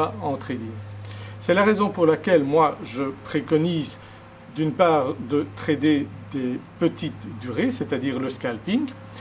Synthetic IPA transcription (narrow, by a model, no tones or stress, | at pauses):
aɑ̃t̪χed̪isɛlaʁezɔ̃puʁlakʲɛlmwaʒəpχekɔniz | d̪ynpaːʁd̪ət̪χed̪ed̪epət̪it̪d̪yʁeset̪ad̪iːʁləskʲalpiŋɡ